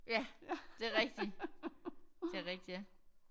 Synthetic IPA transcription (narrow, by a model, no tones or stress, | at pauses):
jæd̥e̝ɐʁɛɡ̥̚d̥i | e̝æɐʁɛɡ̥̚d̥iæ